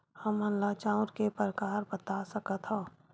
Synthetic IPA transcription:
həmənlat͡ʃãːʊ̃ɾkepɾəkaːɾbət̪asəkət̪ʰõː

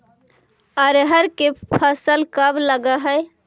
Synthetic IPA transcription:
əɾɦəɾkepʰəsəlkəbləɡəɦəj

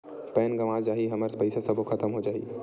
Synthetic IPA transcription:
pɛːnɡəʋad͡ʒaːɦiɦəməɾpəɪsasəbʱokʰət̪əmɦod͡ʒaːɦi

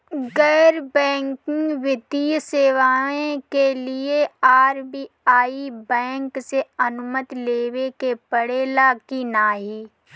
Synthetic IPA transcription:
ɡɛːɾbɛ̃ːŋkɪ̃ŋɡʋɪd̪iːseːʋaːẽkelieaːɾbiː | aːibɛ̃ːŋkseɐnʊmət̪leːʋekepəɽeːlakinaːɦiː

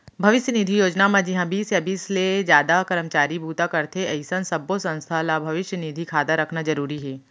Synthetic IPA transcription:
bʱɐʋɪʃjənid̪ʱijoːd͡ʒnamãd͡ʒiɦãbiːsjabiːsled͡ʒjaːd̪akɐɾəmt͡ʃaːɾibuːt̪akɐɾt̪ʰeɐɪsə̃nsɐbosɐ̃nst̪ʰalabʱɐʋɪʃjənid̪ʱikʰaːd̪aɾɐkʰnad͡ʒɐɾuːɾiɦɛː

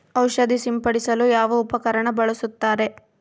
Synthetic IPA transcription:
ɐwʃɐd̪isimpɐɽisɐlujaːʋɐupɐkɐɾɐɳɐbɐɭɐsut̪ːaːɾe̞

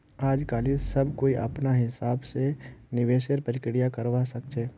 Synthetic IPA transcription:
aːd͡ʒkaːliːssɐbkoːiʔɐ̰pnaɦɪsaːbsenɪʋeːʃəɾpəɾɪkɪɽijakɐɾʋasɐk̚t͡ʃʰeː

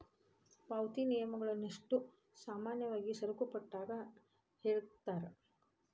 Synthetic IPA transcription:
paːwt̪inijɐmɐɡɐɭɐnːiʂʈu | saːmaːnjɐʋaːɡisɐɾukɐpɐʈːaːɡɐ | heːɭt̪ːaːɾe

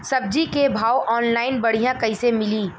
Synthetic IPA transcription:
sɐb̚d͡ʒikebʱaːwʔɔːnlaːɪnbɐɽ̤ijãkɐisemɪliː

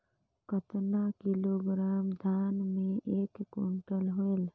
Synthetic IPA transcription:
kət̪nakiloɡɾamd̪ʱanmẽʔeːkːoɳʈəlɦoel

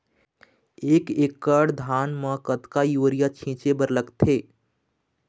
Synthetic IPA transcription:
eːkeːkːəɽd̪ʱaːnməkət̪kajoːɾijat͡ʃʰĩːt͡ʃebəɾləkt̪ʰeː

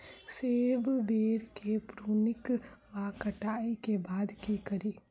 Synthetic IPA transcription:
seːʋʋeːɾkepɾuːnɪkʋakəʈaːikebaːd̪kikɐɾiː

